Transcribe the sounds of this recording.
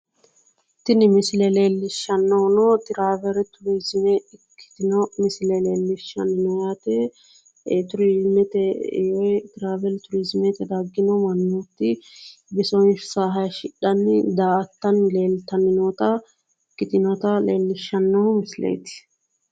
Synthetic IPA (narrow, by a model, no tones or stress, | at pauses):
t̪ɪnɪmɪslɛleːlːɪʃːɐnːɔnɔt̪ɪɾaːvɛɾt̪ʊɾiːzɪmɛɪkːɪ̥t̪ɪnɔmɪslɛleːlːɪʃːɐnɪnɔjaːt̪ɛ | t̪ʊɾizmɛt̪ɛjɔjt̪ɪɾaːvɛlt̪ʊɾizmɛt̪ɛd̪aɡːɪnɔmɐnːuːt̪ːɪbɪsɔnʃʊ̥saːɦɐjʃɪɗːɐnːɪd̪aːʔɐt̪ːɐnle̞ːlt̪ɐnɪnot̪ɐ | kːɪt̪ɪnɔt̪ɐlḛːlːɪʃːɐnːɔhmɪslḛjt̪ɪ̥